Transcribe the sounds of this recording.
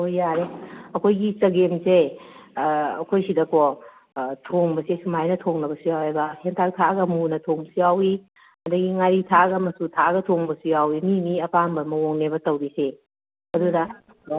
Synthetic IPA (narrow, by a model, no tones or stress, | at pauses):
ojaɾeɐkʰojɡit͡ʃɐɡemse | ɐ̰kʰojsidɐko | tʰoŋbɐsesumajnɐtʰoŋnɐbɐsujawebɐhentʰak̚tʰaɡɐmunɐtʰoŋbsujawi | ɐdɐɡiŋaɾitʰaɡɐmɐsutʰaɡɐtʰoŋbɐsujawiminiɐpaŋbɐmɐwoŋnebɐtɐwɾise | ɐdudɐ